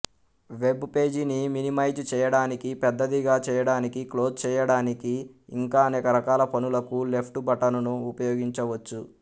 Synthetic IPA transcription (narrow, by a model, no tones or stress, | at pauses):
ʋe̞bpe̞ːd͡ʒiniminimɐjd͡ʒt͡ʃɛːjɐɽaːnikipɛd̪ːɐd̪iɡaːt͡ʃɛːjɐɽaːnikiklo̞ːd͡ʒt͡ʃɛːjɐɽaːnikiːŋkaːɐnɛːkɐɾɐkaːlɐpʰɐnulɐkule̞pʰʈubɐʈɐnunuːpɐjoːɡiɲt͡ʃɐʋɐt͡ʃːu